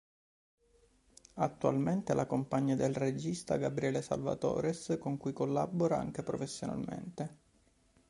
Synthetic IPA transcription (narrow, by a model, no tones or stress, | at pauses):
at̪ːua̰lment̪elʔakompaɲːad̪elred͡ʒist̪a̰ɡabɾiɛːlesa̰lva̰t̪ɔ̰ːɾeskoŋkujkolːaboɾaa̰ŋk̟epɾofesːjona̰lmḛnt̪e